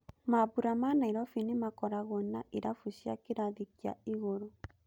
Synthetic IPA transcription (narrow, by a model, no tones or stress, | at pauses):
maβuɾamanaiɾɔfinemakɔɾaɣɔnaʔeɾafuɕjakeɾaðikia̰iɣoɾo